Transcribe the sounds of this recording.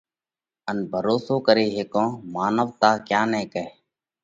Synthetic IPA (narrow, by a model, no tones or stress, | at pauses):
ənbʱəɾoːsoːkəɾeːɦeːkõːmaːnəʋt̪aːkjaːnɛ̃ːkɛeː